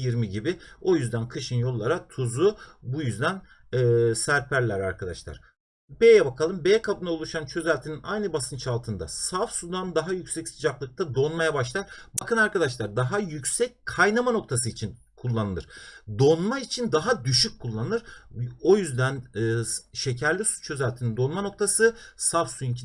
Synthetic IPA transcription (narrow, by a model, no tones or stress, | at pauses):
jiɾmiɟibio̞jyzd̪ænkʰɯʃɯnjo̞lˠːaɾat̪ʰuzubujyzd̪ænː | sæɾpʰæɾlʲæɾaɾkʰad̪a̰ʃlˠa̰ɾ̥ | bejɛbakʰalˠɯmbejɛkʰabɯnaolˠuʃant͡ʃʰø̞zælʲt̪ʰininajnɯbasɯnt͡ʃʰalˠt̪ʰɯnd̪a̰safsud̪and̪aɦajycsɛcsɯd͡ʒaklˠɯk̚t̪ʰad̪o̞nmajabaʃlˠaɾbakʰɯnaɾkad̪aʃlˠaɾd̪aɦajycsɛc̚kʰːajnamano̞k̚t̪ʰasɯit͡ʃʰin | kʰulˠːanɯlˠɯ̰ɾ̥d̪o̞nmait͡ʃʰind̪aɦad̪yʃyc̚kʰːulˠːanɯnˠɯɾ̥o̞jyzd̪ænː | ʃe̞cʰæɾlʲisu̥t͡ʃʰø̞zælʲt̪ʰinind̪o̞nmano̞k̚t̪ʰasɯsavsujincʰi